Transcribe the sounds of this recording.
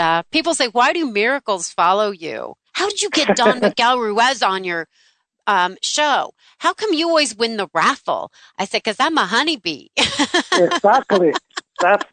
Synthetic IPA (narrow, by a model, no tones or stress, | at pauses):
ʌpʰipl̩ˠseɪwaɪɾɨmɪɹɨkl̩ˠz̥fɑlˠoʊjʉ̰ | haʊɾɨd͡ʒɨɡɛt̚d̥ə̃nwɨɡ̥ælˠɹʉɛzn̩jə˞ | ʌ̃mʃoʊ | haʊkʰʌ̃mjɨɔlˠwizwɪ̃nðəɹæfl̩ˠ | ʔaɪsɛd̚kʰʌzðaməɦʌnibḭ | ɪɡzæk̚tˡliðæts